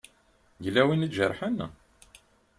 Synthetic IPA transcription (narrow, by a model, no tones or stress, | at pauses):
ʝlæwinit͡sːʒəɾˤħən